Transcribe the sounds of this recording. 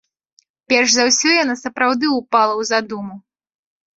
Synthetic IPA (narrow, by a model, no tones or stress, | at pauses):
pʲɛrʂzawsʲɔjanasɐpɾawd̪ɨupalˠɐwzad̪umu